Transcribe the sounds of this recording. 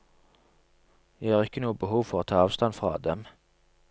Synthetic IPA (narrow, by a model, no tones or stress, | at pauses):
jæhɑːʁɪkːənuːəbəhuːʋfɔʁoːt̪ʰɑːɑːʋst̪ɑnfʁɑ̰ːd̪ɛm